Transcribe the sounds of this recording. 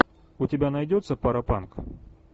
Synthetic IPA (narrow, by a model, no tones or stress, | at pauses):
ʊtʲɪbʲanɐjdʲot̪səpɐɾɐpank